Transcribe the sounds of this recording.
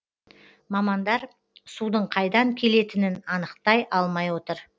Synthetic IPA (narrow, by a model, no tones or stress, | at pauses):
mɑmɑnd̪ɑɾ | sud̪əɴqʰɑjd̪ɑŋkʲʰe̞le̞t̪ɪnɪnɑnəqt̪ɑjʔɑlˠmɑjwo̞t̪əɾ